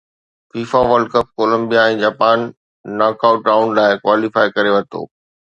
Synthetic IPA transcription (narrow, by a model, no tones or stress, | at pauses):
fiːfaʋɐɾɖkəp̚koːlə̃mbijaɛ̃ːd͡ʑaːpaːnː | aːkaːʊʈaːʊnlaːɪkwaːlifaːɪkɐɾeʋɐt̪o̰ː